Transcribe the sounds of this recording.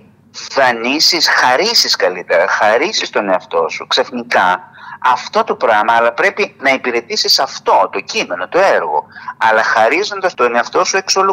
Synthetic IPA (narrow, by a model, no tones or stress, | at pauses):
θɐnisisxɐɾisiskɐlit̪e̞ɾɐ̰xɐɾisist̪o̞ne̞ɐft̪o̞̰suksɐfnikɐɐft̪o̞t̪o̞pɾɐmɐːlɐpɾe̞pinɐipiɾe̞t̪isisɐft̪o̞t̪o̞cime̞no̞t̪o̞e̞ɾɣo̞̰ɐlɐxɐɾizo̞nd̪ɐst̪one̞ɐft̪o̞sue̞kso̞lu